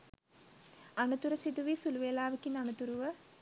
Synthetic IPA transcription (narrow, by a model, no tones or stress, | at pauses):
ɐnɐt̪uɾɐsid̪uʋisuluʋeːlaːʋikːinɐnut̪uɾuʋə